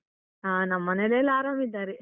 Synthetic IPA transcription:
aːnɐmːɐnelejɐlaːɾaːmid̪ːaːɾi

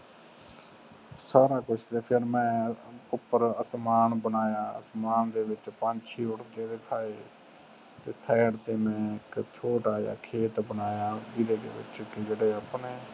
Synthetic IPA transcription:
saːɾaːkʊt͡ʃʰt̪eːpʰɪɾmɛ̃ːʊpːəɾəsmaːnbənaːjaːə̰smaːnd̪eːʋɪt͡ʃpãːnt͡ʃʰiːʊʈt̪eːd̪ɪkʰaːeː | t̪eːsɛːɽt̪eːmɛ̃ːɪkt͡ʃʰoːʈaːja̰ːkʰeːt̪bənaːjaːʋid̪eːd̪ḛːʋɪ̰t͡ʃkɪd͡ʒeɽeːəpneː

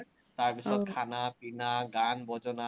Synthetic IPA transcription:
t̪aɾbisɔd̪kʰanapinaɡanbʱɔd͡ʑona

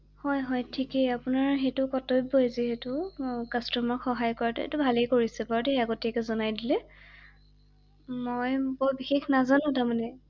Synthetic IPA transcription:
hɔjɦɔjtʰikɛapʊnaɹɦetʊkɔtɔjbojziɦetʊkastɔmɔxɔɦajkɔɹatɛḛtʊbʱalejkoɹisɛbaɹɔtɛɦeaɡotiakɛzɔnajdilɛ | mojbɔɹbixexnazanʊ̃tamanɛ

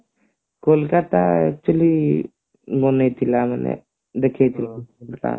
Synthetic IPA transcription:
kolkat̪aək̚t͡ʃəli | bonet̪ʰilamənḛ | d̪ekʰet̪ʰilalt̪a̰ː

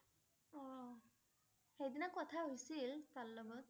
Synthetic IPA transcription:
ɔ | xejdinakɔt̪ʰaɦojsilt̪alːɔbɔt̪̚

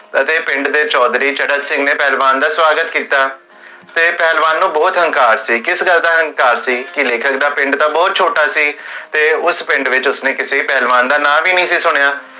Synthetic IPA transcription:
ət̪eːpɪ̃ɳɖd̪eːt͡ʃɔːd̪ɾiːt͡ʃəɖət̪sɪ̃ŋɡneːpɛːlʋaːnd̪aːswaːɡət̪kiːt̪aː | t̪eːpɛːlʋaːnːũːbɔːt̪ɦəŋkaːɾsiːkɪsɡəld̪aːɦəŋkaːɾsiːkɪleːkʰəkd̪aːpɪ̃ɳɖt̪ãːbɔːt̪̚t͡ʃʰoːʈaːsiːt̪eːʊspɪ̃ɳɖʋɪt͡ʃʊsneːkɪseːipɛːlʋaːnd̪aːnãːʋiːnĩːsiːsʊɽ̃jaː

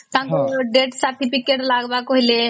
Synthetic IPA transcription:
t̪ãːŋkoɖeːʈsaɾʈipikeʈlaːɡbaːkoɦile

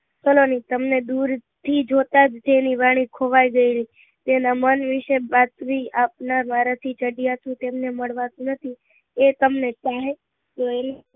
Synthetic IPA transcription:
səlonit̪əmned̪uɾ | t̪ʰid͡ʒot̪ad͡ʒt̪eniʋaɽ̃ikʰoʋajɡəili | t̪enamənʋɪʃebat̪ʋiapnamaɾat̪ʰit͡ʃəɖijat̪ũt̪emneməɽʋãt̪ũnət̪ʰi | et̪əmnet͡ʃaɦe | d͡ʒoel

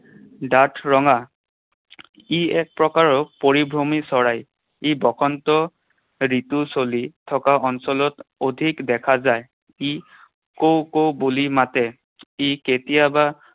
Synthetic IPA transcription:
datʰɹɔŋa | iɛk̚pɹɔkaɹɔpoɹibʱɹomisɔɹaj | ibɔkʰɔntɔ | ɹitusolitʰɔkaʔɔnsɔlɔtodʱikdɛkʰazaj | i | kowkowbulimatɛ | iketijaba

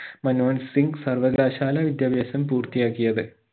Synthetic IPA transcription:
mɐnʋɐːnsiŋɡsɐrʋɐɡaːɕaːlɐʋid̪jaːbjɐːsɐmpuːrt̪ijaːkːijɐðɨ

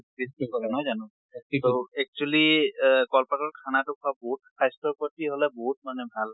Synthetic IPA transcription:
isianɔjzanɔ̃ | soɛk̚t͡ʃualikɔlpatɔɹkʰanatʊkʰuaboɦut̚pʰajstɔɹpɔtiɦolɛboɦut̚manɛbʱal

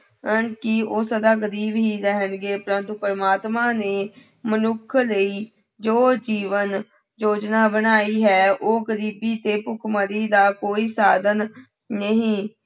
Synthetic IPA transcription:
ənkɪoːsəd̪aːɡəɾiːbɦiːɾɛɦənɡeːpəɾənt̪upəɾəmaːt̪mãːneː | mənʊkʰləiː | d͡ʒoːd͡ʒiːʋən | d͡ʒoːd͡ʒnaːbənaːiːɦɛːʔoːɡəɾiːbiːt̪eːpʊkʰməɾiːd̪aːkoːiːsaːd̪ənː | əɦĩː

